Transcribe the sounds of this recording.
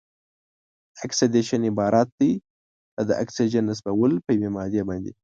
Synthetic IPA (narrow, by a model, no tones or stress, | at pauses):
aksad̪eʃanɪbɑɾʔat̪̚d̪əj | ad̪əʔa̰ksid͡ʒanːəs̬bawəlpəjwemɑd̪jabɑnd̪e